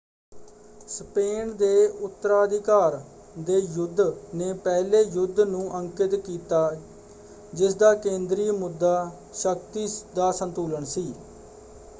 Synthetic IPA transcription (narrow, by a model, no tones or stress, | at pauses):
speːnd̪eːʊt̪ːəɾaːəd̪ɪkaːɾ | d̪eːjʊd̪ːneːpɛːleːjʊd̪nũːʔəŋkɪt̪kiːt̪aː | d͡ʒɪsd̪aːkẽːnd̪ɾiːmʊd̪ːaː | ʃək̚t̪iːd̪aːsənt̪uːləɳsiː